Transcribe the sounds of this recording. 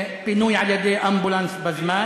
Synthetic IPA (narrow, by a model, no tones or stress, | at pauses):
pinuːjʕalad̪eʔambulansbazmaː